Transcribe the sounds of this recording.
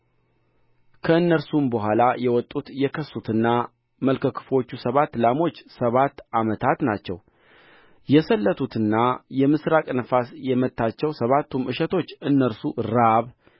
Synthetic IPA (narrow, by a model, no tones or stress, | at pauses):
kʰəɨnːəɾsumbəɦʷalajɛwɔt̪ʼːut̪jɛkʰəsut̪ʰɨnːa | məlkʰəkʰɨ̥fo̞t͡ʃːusəβat̪ːlamo̞t͡ʃːsəβat̪ːamət̪ʰat̪nat͡ʃːɛ̰w | jɛsəlːət̪ʰut̪ɨnːajɛmɨsɾakʼnəfasjɛmət̪ʰːat͡ʃːɛwsəβat̪ːumʔɨʃɛt̪ʰo̞t͡ʃːɨnːəɾsuɾaβ